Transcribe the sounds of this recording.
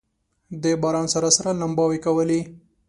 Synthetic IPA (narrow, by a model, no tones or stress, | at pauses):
d̪ebɑɾɑnsaɾasaɾanambɑwekawəli